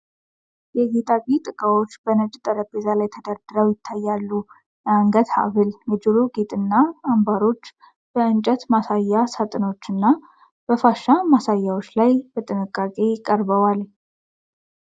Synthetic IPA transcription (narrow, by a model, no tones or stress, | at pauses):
jɛɡet̪ʼakʼit̪ʼɨkʼawo̞t͡ʃːbənət͡ʃʼːt̪ʼəɾəbezalajt̪ʰəd̪aɾd̪̥ɨɾəwjɪt̪ʰːajːalːu | jaŋɡət̪ha̰βɨljɛd͡ʒɨɾoɡet̪ʼɨnːaːmbaɾo̞t͡ʃː | b̥əɨnt͡ʃʼət̪masajːasat̪ʼɨno̞t͡ʃːɨnːa | b̥əfaʃːamasajːawo̞t͡ʃːlajb̥ət̪ʼɨnɨkʼːakʼe̞jɪkʼːəɾbəwal